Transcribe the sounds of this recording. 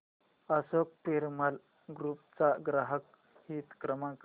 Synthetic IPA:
asok̚piɾməl | ɡɾupt͡saɡɾaɦək | hiːt̪kɾəmãk

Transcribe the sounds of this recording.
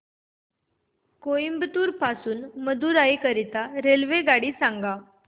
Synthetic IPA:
koimbt̪uːɾpasuːnməd̪uːɾaikəɾit̪aɾelʋeɡaɽiːsãŋɡa

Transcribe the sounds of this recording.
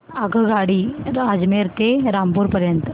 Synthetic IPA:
aɡʱəɡaɽiːad͡zmeɾt̪eɾampuːɾpəɾjənt̪ə

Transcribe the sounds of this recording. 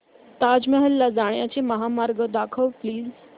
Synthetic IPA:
t̪ad͡zmɛɦəlːad͡zaɽjat͡seməɦamaɾɡəd̪akʰəʋpliːz

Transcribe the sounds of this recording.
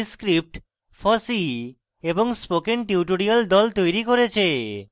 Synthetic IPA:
skɾip̚ʈ | fɔsi | eboŋspokenʈiuʈoɾiald̪ɔlt̪ojɾikoɾet͡ɕʰe

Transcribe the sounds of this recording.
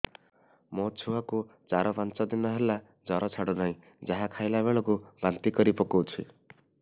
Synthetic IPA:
mot͡ʃʰuaku | t͡ʃaɾɔpant͡ʃɔd̪inɔɦela | d͡ʒɔɾɔt͡ʃʰaɽunaĩ | d͡ʒaɦakʰajlaβeɭɔkubant̪ikɔɾipɔkowt͡ʃʰi

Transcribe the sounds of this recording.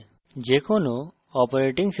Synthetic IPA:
d͡ʒekʰono | ɔpɔɾeʈiŋs

